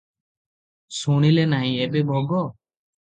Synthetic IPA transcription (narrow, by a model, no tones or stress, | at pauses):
suɽ̃ilenaɦĩɛbɛbʱɔɡɔ